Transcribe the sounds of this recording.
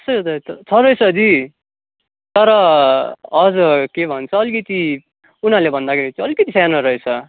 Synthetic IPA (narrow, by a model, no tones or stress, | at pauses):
ʌsʌjot̪ʌʌt͡sʰʌɾʌet͡sʰʌd̪i | t̪ʌɾʌ | ʌd͡zʌkebʱʌnt͡sʰʌːlikʌt̪i | unalebʱʌnd̪akʰeɾit̪iʌlkʌt̪isanʌɾʌet͡sʰʌ